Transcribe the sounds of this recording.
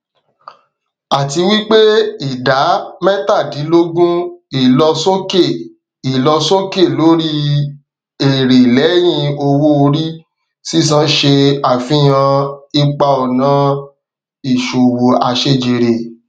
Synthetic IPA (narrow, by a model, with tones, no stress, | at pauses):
a˨ti˧wi˦k͡pe˦i˦˨da˨˦mɛ̃˦ta˦˨di˨˦lo˦ɡũ˦i˨lɔ˧sõ˦ke˦˨ | i˨lɔ˧sõ˦ke˦˨lo˨˦ɾi˦ | e˨ɾe˨lɛ˨˦j̃ĩ˧o˧wo˦o˧ɾi˦ | si˦˨s̬ã˦ʃe˧a˨fĩ˦j̃ã˧i˧k͡pa˧ɔ˨nã˨˦ | i˨ʃo˨wo˨a˧ʃe˧˦˨d͡ʒe˨ɾe˨